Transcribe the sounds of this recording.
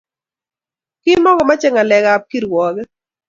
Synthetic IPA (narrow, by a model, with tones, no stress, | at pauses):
kɪ˦nmɔ˦ŋɡɔ˨ma˦t͡ʃɛ˦˨ŋa˨lɛ˨ɡa˨p̚ki˦ɾwɔ˨ɡɛ˦